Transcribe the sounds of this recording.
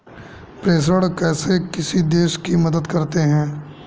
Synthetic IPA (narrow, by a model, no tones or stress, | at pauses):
pɾeːs̬əɽkɛːsekɪsid̪eːʃkimɐd̪əd̪kɐɾt̪eɦɛ̃ː